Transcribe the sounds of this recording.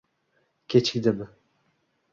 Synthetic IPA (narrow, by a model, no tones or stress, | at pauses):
kʲʰet͡ʃʰɪ̥kʲd̪ebɪ